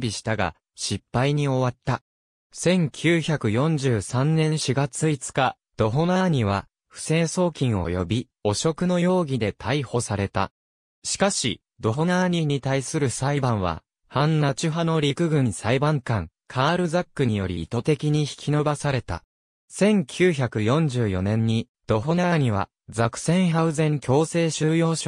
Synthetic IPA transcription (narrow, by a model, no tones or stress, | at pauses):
bʲiɕi̥t̪aɡa̰ | ɕipːaiɲ̟io̞βat̪ːa | sẽ̞ŋkʲʰɨːçakɯ̟jõ̞ɲ̟d͡ʑɨːsãnːẽ̞ɰ̃ɕiɡat͡sɨit͡sɨ̥ka | d̪̥o̞ɦo̞naːɲ̟iβa | ɸɯ̟̥se̞ːso̞ːkʲĩɰ̃o̞̰jo̞̰bʲi | o̞ɕo̞kɯ̟no̞jo̞ːɡʲid̪e̞t̪ʰaiho̞saɾe̞t̪a̰ | ɕi̥kaɕi | d̪̥o̞ɦo̞naːɲ̟iɲ̟it̪aisɨɾɯ̟saibãɰ̃βa̰ | hãnːat͡ɕɨɦano̞ɾʲikɯ̟ɡɯ̟̃saibãŋkãŋ | kʰaːɾɯ̟zakːɯ̟ɲijo̞ɾʲḭːt̪o̞t̪e̞kʲiɲ̟içi̥kʲino̞basaɾe̞t̪a̰ | sẽ̞ŋkʲʰɨːçakɯ̟jõ̞ɲ̟d͡ʑɨːjo̞̰nẽ̞ɲ̟ːi | d̪̥o̞ɦo̞naːɲ̟iβa̰ | d͡zakɯ̟̥sẽ̞ɰ̃ɦaɯ̟zẽ̞ŋkʲo̞ːse̞ːɕɨːjo̞ːɕo